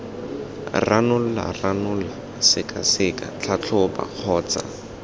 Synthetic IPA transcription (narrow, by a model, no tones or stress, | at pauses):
ranʊl̩la̰ranʊla | sɪkʼasɪkʼat͡ɬʰat͡ɬʰɔba̰q͡χʰɔːt͡sa̰